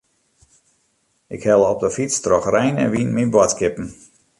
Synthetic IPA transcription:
ʔɪkhɛlˠəɔp̚dəfitt͡strɔxrɛjnɛ̰nʋinminbwɔtkɪpn̩

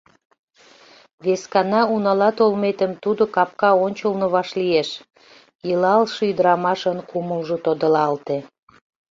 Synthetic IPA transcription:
βeskɑnɑunɑlɑt̪olmet̪əmt̪ud̪okɑp̚kɑonʲt͡ɕəlnoβɑʃlieʃ | jəlɑlʃɤyd̪əɾɑmɑʃənkuməlʒot̪od̪əlɑlt̪e

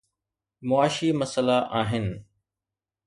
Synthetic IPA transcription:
mʊaːʃimɐsəlaʔaːɦɪnɪ̆

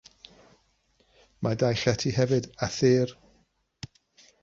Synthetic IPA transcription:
madajɬɛtʰihɛvɨdaθeːr

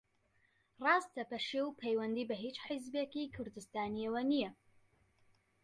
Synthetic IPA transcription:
rɑːst̪ɐpɐʃewpʰejwɐnd̪iːbɐɦiːt͡ʃħizbekikʰʊɾd̪ɨst̪aːniɐwɐnijɐ

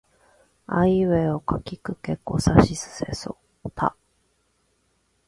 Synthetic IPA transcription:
aiβeo̞kakʲikɯ̟ke̞kːo̞̰saɕisɨ̥se̞̰so | t̪ʰa̰

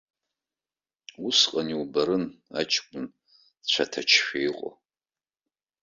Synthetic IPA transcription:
usqʼaniubaɾɨna̰t͡ʃʰʼkʷʼʊn | t͡ɕʷʰatʰat͡ʃʰʃᶣejqʼo̰

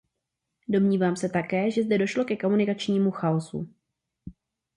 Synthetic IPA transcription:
do̞mɲiːvaːmsɛt̪akɛːʒɛzdɛdo̞ʃlo̞kɛko̞munɪkat͡ʃɲiːmuxaosṵ

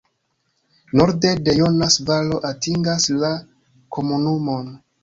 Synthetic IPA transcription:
no̞ɾde̞de̞jonasvalo̞ʔatiŋɡasla | kʰo̞munumo̞n

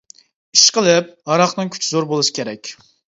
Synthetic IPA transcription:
iʃqəlˠɪp̚hɑɾɑχnɨŋkʲʰy̥t͡ʃʰizoɾbolˠusɨ̥kʲʰeɾɛkʲ

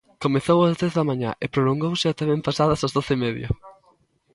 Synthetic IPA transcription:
komeθowazðeθðɐmãɲa̰ʔɪpɾoloŋɡowsɪat̪amẽmpasaðɐsazðoθɪmɛðjɐ̰

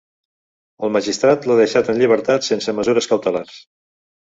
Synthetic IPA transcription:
əlˠmaʒist̪ɾat̪laðəʃat̪ənʎiβ̞əɾt̪at̪sensəməzuɾəskəwt̪əlars

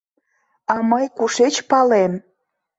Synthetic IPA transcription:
ɑməjkuʃet͡ɕpɑlem

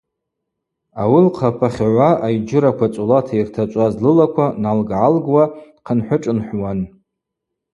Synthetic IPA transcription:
awilqʰapʰaχʲʕʷaʔajd͡ʒɪɾakʷat͡sʷʼulatʰairtʰat͡ʃʷʼazlɨlakʷʰanalɡʕalɡwḁqʰənħʷʊʈ͡ʂʼɨnħʷwan

